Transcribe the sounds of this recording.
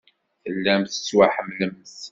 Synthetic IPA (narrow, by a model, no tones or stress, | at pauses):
θəlːæmθə̥t͡sːwaħəmləms